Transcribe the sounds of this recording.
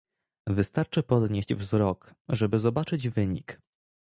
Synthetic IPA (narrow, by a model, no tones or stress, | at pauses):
vɘst̪aɾt͡ʂɘpɔd̪ɲeʑd͡ʑvzɾɔk | ʐɛbɘzɔbat͡ʂɘd͡ʑvɘɲik